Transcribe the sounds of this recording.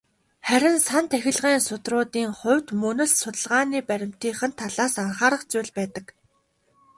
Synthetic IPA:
χæɾʲɪ̆nsant̪ʰæxʲɪ̆ɮʁiːnsʊt̪rʊːt̪iːŋχʊ̟wʲt̪mɵnɵ̆ɮsʊt̪ə̆ɮʁaːniːpæɾʲɪ̆m̥t̪iːχɘ̆nt̪ʰːaɮaːsaɴχaːɾə̆χt͡sʊjɮpæːt̪ə̆k

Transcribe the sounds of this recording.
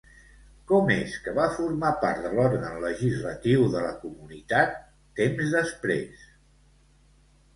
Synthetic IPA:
kɔmeskəβafuɾmapaɾt̪d̪əlɔɾɣənləʒizlət̪iwðələkumunit̪at̪ː | emzðəspɾḛs

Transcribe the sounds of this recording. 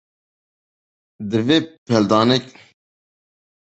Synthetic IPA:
d̪ɨveːpʰɛld̪ɑːnɛk

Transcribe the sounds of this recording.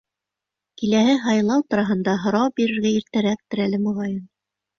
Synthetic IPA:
kilæɦɘɦɑjlˠɑwt̪ŏɾɑɦɤ̆nd̪ɑɦŏɾɑwbiɾɘ̆ɾɡæiɾt̪æɾæk̚t̪ɘ̆ɾælɘmŏʁɑjɤn

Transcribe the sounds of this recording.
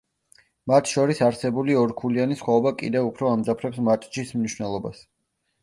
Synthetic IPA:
mat̪ʰʃɔɾisaɾsɛbuliɔɾkʰulianisχwaɔbakʼḭd̪ɛvupʰɾɔamd̪zapʰɾɛpsmat̪ʼt͡ʃismniʃwnɛlˠɔba̰s

